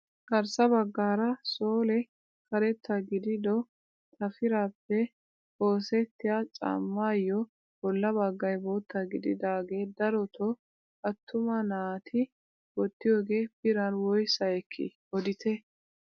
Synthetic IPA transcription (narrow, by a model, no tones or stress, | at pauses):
kɐɾsɐbɐɡːaːɾɐso̞ːlɛ | kɐɾɛt̪ːɐɡɪd̪ɪd̪ɔ | t̪ʰɐfɪɾaːpːɛ | o̞ːsɛt̪ːɪjat͡sʼa̰mːaːjːɔ | b̥ɔlːɐbɐɡːɐjbo̞ːt̪ːɐɡɪd̪ɪd̪aːɡe̞ːd̪ɐɾɔt̪ʰɔ | ɐt̪ːʊmɐnaːt̪ʰɪ | wɔt̪ːɪjoːɡe̞ːpɪɾɐnwɔjsɐjɛkʰːɪ̰ | ɔd̪ɪt̪ʰɛ